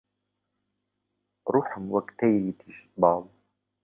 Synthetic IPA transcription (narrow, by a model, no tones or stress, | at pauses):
ɾʊħʊmwakt̪ajɾit̪ʰɪʃbɑːbˤ